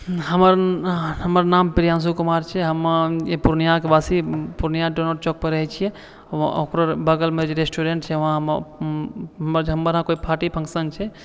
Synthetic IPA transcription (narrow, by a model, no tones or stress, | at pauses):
ɦəməɾɦəməɾnampɾijãns̬ukumaɾt͡ʃʰɛɦəmepuɾnijakebasipuɾnijaɖonoɾt͡ʃɔk̚peɾəɦɛt͡ʃʰijɛ̰ | okɾobəɡəlmed͡ʒeɾesʈuɾeɳʈt͡ʃʰɛʋɦãɦəm | mɾɦəmːəɾɦãkoipʰaʈipʰəŋsənt͡ʃʰɛ